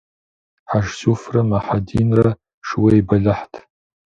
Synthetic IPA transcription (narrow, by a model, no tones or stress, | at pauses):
ħaʃsufrɐmaħadiːnrɐ | ʂwejbɐɮɨħtʰ